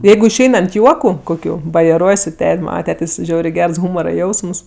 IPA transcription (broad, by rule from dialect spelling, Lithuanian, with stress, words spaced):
ˈjɛɪɡʊ ɪʃʲˈɛɪn ɐnt ˈjuɔkʊ koːˈkʲuː bɐjɛˈruɔj sʊ ˈtʲɛtʲ ˈmɑːnɐ ˈtʲæːtʲeːsʲ ˈʒʲɛʊrʲeː ˈɡʲɛrs ˈɣuːmoːrɐ ˈjɛʊsms